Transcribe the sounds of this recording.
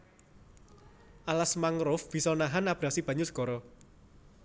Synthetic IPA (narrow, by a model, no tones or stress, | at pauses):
ʔalasmaŋɾʊfb̥i̤sɔnaɦanab̥ɾasib̥ä̤ɲʊsɡ̥ɔɾɔ